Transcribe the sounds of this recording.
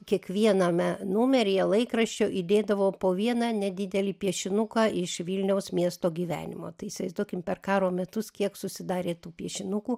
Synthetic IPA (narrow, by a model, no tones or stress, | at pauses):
kʲiɛkʋʲiɛnɐmʲɛnʊmʲɛɾʲɪjɛlˠɐɪkɾɐʃʲt͡ʃʲoːʔid̪ʲeːd̪ɐʋoːpoːʋʲiɛnɑnʲɛd̪ʲɪd̪ʲɛlʲiːpʲiɛʃʲɪnʊkɑːɪʃʋʲilʲnʲɛʊsmʲiɛst̪oːɡʲiːʋʲæ̰ːnʲɪ̰mo̰ːt̪ɐɪɪsʲʋɐɪzd̪uɔkʲɪmpʲɛrkɑːɾoːmʲɛt̪ʊskʲiɛksʊsʲɪd̪ɑːɾʲeːt̪uːpʲiɛʃʲɪnʊkuː